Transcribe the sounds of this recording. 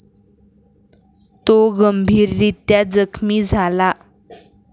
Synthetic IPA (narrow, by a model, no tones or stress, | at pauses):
t̪oɡəmbʱiːɾd̪it̪jad͡zəkʰmiːd͡zʱala